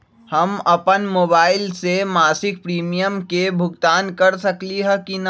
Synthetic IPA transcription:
hɐmɐpənmoːbaːɪlsemaːsɪk̚pɾiːmijəmkebʱʊɡt̪aːnkɐɾsɐkliɦɛkin

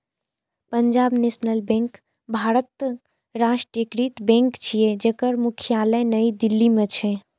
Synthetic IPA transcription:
pəɲd͡ʒaːbnesnəlbẽŋk | bʱaɾət̪ː | ɾasʈɾəkɾit̪bẽŋkt͡ʃʰijed͡ʒekəɾmukʰijaləjnəid̪ilːimet͡ʃʰɛ

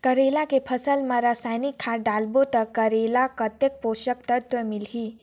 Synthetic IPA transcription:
kəɾelakepʰəsəlmãɾasajnikʰːaɖalbot̪əkəɾelakət̪ek̚poʃək̚t̪ət̪wəmilɦi

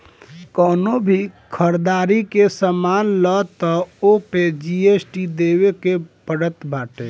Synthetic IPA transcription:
kɔːnobʱikʰəɾd̪aːɾikesəmaːnlət̪ɔoped͡ʒiesʈid̪ewekepəɽət̪baːʈe

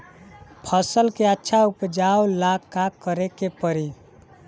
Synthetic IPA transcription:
pʰəsəlkeətːʃʰaupd͡ʒaolakːakəɾekepəɾi

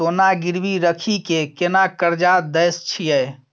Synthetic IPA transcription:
onaɡiɾbiɾəkʰikekenakəɾd͡ʒad̪əjst͡ʃʰijəj

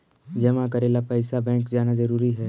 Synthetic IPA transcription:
d͡ʒɐmãkɐɾeːlapɛɪsabɛ̃ːŋkd͡ʒaːnazɐɾuːɾiɦɛː

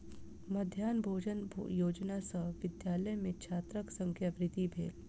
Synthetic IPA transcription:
mɐd̪ʱjaːnbʱoːd͡ʒənb̰ʱjoːd͡ʒnasəʋɪd̪jaːləjmẽkt͡ʃʰaːt̪ɾəksə̃ŋkʰjəʋɾɪt̪ibʱeːl

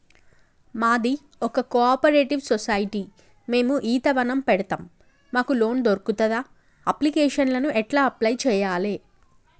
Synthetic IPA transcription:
maːd̪i | ɔkɐkoaːpɐɾeːʈiʋsɔsajiʈi | me̞ːmuʔiːt̪ɐʋɐnɐmpɛɽɐt̪aːmː | aːkulo̞ːnd̪oɾkut̪ɐd̪aː | ɐplikɛːʂɐnlɐnuʔɛʈlaːɐplɐjt͡ʃɛːjaːleː

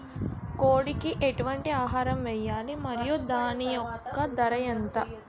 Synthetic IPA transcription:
koːɽikiʔeʈuʋɐɳʈiaːɦaːɾɐmʋɛjːaːlimɐɾijud̪aːnijɔkːɐd̪ɐɾɐjɐnt̪ɐ

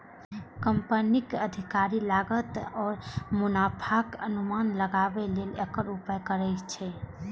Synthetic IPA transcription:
kəmpənikəd̪ʱikaɾilaɡət̪ɔːɾmʊnapʰakənumanləɡabelelekəɾupəkəɾɛt͡ʃʰɛ

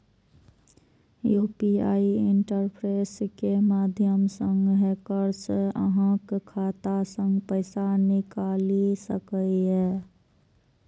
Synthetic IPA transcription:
juːpia̰ːiɪɳʈəɾpʰɾeːskemaːd̪ʱjəmsə̃ŋɡɦeːkəɾsə̰ɦə̃kʰːaːt̪asə̃ŋɡpəɪsanɪkaːlisə̰kəiɦɛː

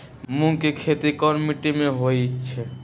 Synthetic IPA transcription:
mũŋkekʰet̪ikɔɾmiʈimẽɦojt͡ʃʰɛ

